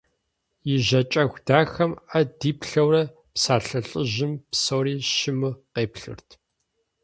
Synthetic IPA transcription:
jɪʒɐt͡ʃʼɐxʷd̥aːxɐmɐdiːpɬɐwrɐ | psaːɬɐɬʼɨʑɪmpsoːɾiːʃɪmɨqeːpɬɨ̰rtʰ

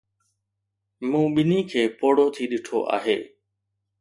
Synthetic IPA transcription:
mũːɓɪnikʰeːpoːɽoːt̪ʰiːɗɪʈʰo̰ʔa̰ːɦeː

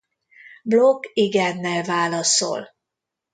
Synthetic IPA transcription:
blokːiɡɛnːɛlvaːlɒso̰l

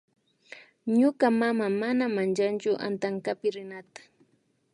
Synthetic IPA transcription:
ɲʊkamamamanamant͡ʃant͡ʃʊʔa̰nt̪aŋkapɪɾɪnat̪ḁ

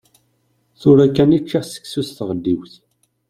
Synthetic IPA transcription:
θʊɾækːænit͡ʃːasə̥ksusθʁəd̪ːiwθ

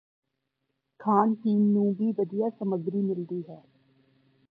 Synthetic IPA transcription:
kʰaːnʈiːmnũːʋiːʋəd̪ijaːsəməɡɾiːmɪld̪iːɦɛː

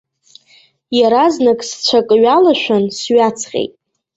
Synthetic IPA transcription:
jaɾaznakʼst͡ɕʷʰakʼɨɥalaʃᶣʷansɥat͡sʰqʲʼḛjtʼ

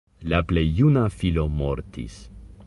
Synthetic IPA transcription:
laplejːunafilo̞mo̞ɾtʰḭs

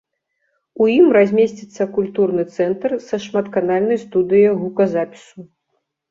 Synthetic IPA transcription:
ujimrazʲmʲesʲt͡sʲit̪sːɐkulʲt̪urnɨt̪sɛnt̪rsɐʂmat̪kanalʲnɐjst̪ud̪ɨjɐjɣukɐzapʲi̥su

